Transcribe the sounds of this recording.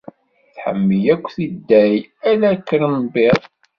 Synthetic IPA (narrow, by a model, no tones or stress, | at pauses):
θħə̰mːəjækʷːθid̪ːæjælækːəɾəmbeðˤ